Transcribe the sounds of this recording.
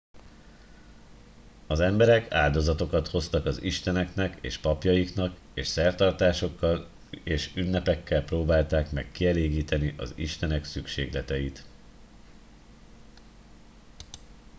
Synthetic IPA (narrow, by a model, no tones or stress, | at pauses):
ɒzɛmbɛɾɛka̰ːld̪o̞zɒt̪o̞kɒt̪ho̞st̪ɒkɒziʃt̪ɛnɛkn̪ɛkḛːʃpɒpjɒjiknɒk | eːʃsɛrt̪ɒrt̪aːʃo̞kːɒl | eːʃynːɛpɛkːɛlproːbaːlt̪aːkmɛkːiɛleːɡiːt̪ɛniʔɒ̰zḭʃt̪ɛnɛksykʃeːɡlɛt̪ɛjit̪